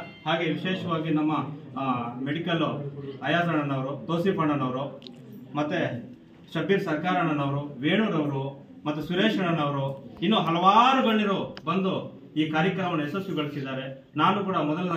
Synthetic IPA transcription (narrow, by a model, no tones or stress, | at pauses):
ɦaːɡe̞ʋiʃɛːʃɐʋaːɡinɐmːɐ | meɽikɐlɐjaːt̪ɐɳɐnːɐʋɐɾut̪oːsipɐɳɐnɐʋɐɾu | mɐt̪ːe | ʃɐbːiɾɐsɐɾkaːɾɐɳɐnɐʋɐɾuʋeːɳuɾɐʋɐɾu | mɐt̪ːusuɾeːʂɐɳɐnɐʋɐɾuinːoːɦɐlɐʋaːɾuɡɐɭːiɾubɐnd̪u | iːkaːɾjɐkɾɐmɐnːɐesɐsjuɡɐɭisid̪aːɾe̞ | naːnukuːɽɐmɔd̪ɐlɐ